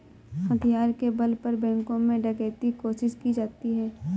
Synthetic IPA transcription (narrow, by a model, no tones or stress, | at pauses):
hɐt̪ʰijaːɾkebɐlpəɾbɛ̃ːŋkõmẽɖɐɡeːt̪ikoːʃɪʃkid͡ʒaːt̪iɦɛː